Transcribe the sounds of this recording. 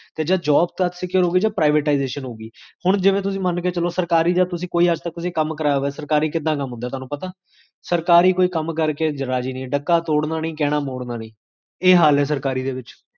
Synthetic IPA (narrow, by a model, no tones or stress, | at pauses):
t̪eːd͡ʒaːd͡ʒɔːb̚t̪ət̪sɪkjəɾɦoːɡiːd͡ʒaːpɾaːɪʋeːʈaːɪzeːʃənɦoːɡiːhʊɳ̃d͡ʒɪʋẽːt̪̬ʊsĩːmənkeːt͡ʃəloːsəɾkaːɾiːd͡ʒaːt̪ʊsĩːkoːiːəd͡ʒt̪ək̚t̪ʊsĩːkəmkəɾaːoɛːsəɾkaːɾiːkɪd̪ːãːkəmːɦʊ̃nd̪aːt̪ʊoaːnũːpət̪aː | səɾkaːɾiːkoːiːkəmkəɾkeːd͡ʒɾaːd͡ʒiːnĩːɖəkːaːt̪oːɽnãːniːkɛːɽ̃aːmoːɽnaːnĩː | eːɦaːlɛːs̬əɾkaːɾiːd̪eːʋɪt͡ʃ